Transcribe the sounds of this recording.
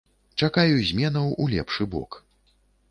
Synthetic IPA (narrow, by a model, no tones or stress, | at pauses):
t͡ʂakajuzʲmʲɛnɐwulʲɛ̰pʂɨbɔ̰k